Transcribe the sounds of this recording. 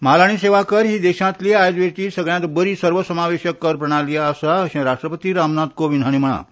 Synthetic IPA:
malaɽ̃iseʋakəɾɦiːd̪eɕãt̪liajd̪ʋeɾt̪iːsəɡɭjãt̪bəɾiːsəɾʋəsəmaʋeɕəkːəɾpɾəɽ̃aliaːsaəɕẽɾaʂʈɾəpət̪iːɾamnad̪koʋinɦaɽ̃em̤əɽ̃a̰

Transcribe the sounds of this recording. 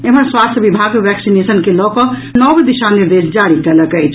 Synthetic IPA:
emənswast̪ʰəbibʱaɡʋɛksinesənkelɔkɔnɔbd̪iʃaniɾd̪esd͡ʒaɽikɛləkəjt͡ʃʰ

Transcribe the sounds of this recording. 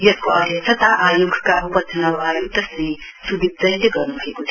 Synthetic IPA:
jʌskoʌd̪ʱjʌnt͡sʰʌt̪aʔajoɡkaɦupʌt̪ʰːnʌwajoɡ̚t̪ʌsĩ | subid̪̚ʱd͡zʌjleɡʌrnubʱʌekot̪ʰ

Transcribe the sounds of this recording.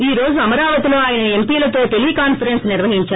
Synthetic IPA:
iːɾo̞ːd͡ʒuɐmɐɾaːʋɐt̪iloːaːjɐnɐempiːlɐt̪oːt̪elikaːnfɐɾensnɪɾʋɐɦiɲt͡ʃaː

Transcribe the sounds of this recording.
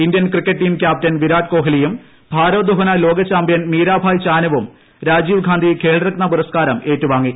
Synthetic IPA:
ind̪jɐnkrikːɐʈʈːiːmkʲjaːp̚tɐnʋiɾaːʈko̞ːɦilijum | bʱaːɾoːd̪uɦɐnɐlo̞ːɡɐt͡ɕːaːmbjɐnmiːɾaːbʱaːjt͡ɕaːnɐʋum | ɾaːd͡ʑiːʋɡʱaːnd̪ʱikʰe̞ːɭirɐknɐpuɾɐskaːɾɐme̞ːtːuʋaːŋːi

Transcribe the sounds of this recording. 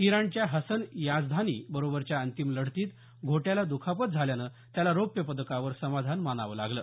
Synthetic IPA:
iɾaɳt͡ɕjaɦəsənjad͡zd̪ʱaniːbəɾobəɾt͡ɕjaənt̪imləɽ̤t̪iːt̪ | ɡʱoʈjalad̪ukʰapət̪̚d͡zʱaljanə | t̪jalaɾopjəpəd̪əkaʋəɾsəmad̪ʱanmanaʋəːlaɡləː

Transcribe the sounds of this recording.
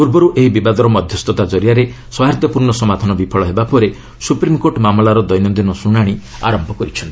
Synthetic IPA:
puɾbɔɾuʔeɦibibad̪ɔɾɔmɔd̪ʱjɔst̪ɔt̪ad͡ʒɔɾijaɾe | swaɦat̪jɔpuɾɳɔsɔmad̪ʱɔnɔbipʰɔɭɔɦebapɔɾe | supɾimkoʈmamlaɾɔd̪ɔjnɔnd̪inɔsuɽ̃aɽ̃i | a̰ɾɔmbʱɔkɔɾit͡ʃʰɔnt̪i̥

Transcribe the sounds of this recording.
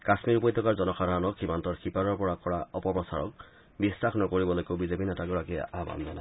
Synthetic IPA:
kasmiɹupɔjt̪ʰːɔkaɹzɔnɔkʰaɾanɔkximantɔɹxipaɹɔɹpɔɹakɔɹaɔpɔpɹɔsa̰ɹɔ̰k̚ | bisɹaxnɔkoɹibɔlojkeʊbizepinɛtaɡɔɹakija̰ʔaba̰nzɔna

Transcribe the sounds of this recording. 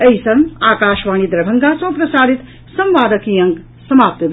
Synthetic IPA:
ɐjsɐ̃ŋaːkaːʃʋaːñid̪ɾɐbʱɐŋɡaːsɐ̃w̃pɾɐsaːd̪ʱit̪ | sɐ̃mʋaːd̪ɐkijɐ̃ŋɡ | sɐmaːp̚t̪b

